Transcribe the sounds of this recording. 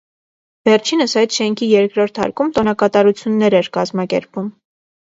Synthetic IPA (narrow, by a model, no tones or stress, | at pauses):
vɛrt͡ʃʰinəsɑjt̪ʃɛŋkʰijɛɾkɾɔɾt̪ʰɑ̰ɾkumt̪ɔnɑkɑt̪ɑɾut͡sʰjunːɛɾɛɾkɑzmɑkɛ̰ɾpum